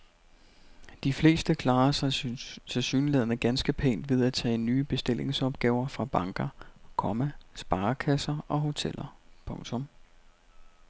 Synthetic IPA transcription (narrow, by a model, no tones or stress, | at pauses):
d̥ifle̝̰ːsd̥əkʰlɑ̈ːɐssɑsyːnlɛðˠɐnəɡ̥ænsɡ̥əpʰe̝̰ːnd̥ʋe̝ð̞ˠæt͡sʰɛ̰ːnːyːb̥e̝sd̥e̝lʔe̝ŋsɒ̽b̥ɡ̥ɛ̰ːʊɐfʁɑ̈b̥ɑ̈ŋɡ̥ɐkʰɒ̽mæsb̥ɑ̈ːkʰæsɐʔɒ̽ɦo̝t͡sʰel̰ɐpʰɔ̽ŋt͡sʰɔ̽m